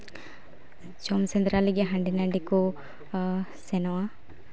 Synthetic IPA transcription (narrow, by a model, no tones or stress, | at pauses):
d͡ʒomsend̪ɾaliɡeɦɐɳɖinɐɳɖiku | senɐwa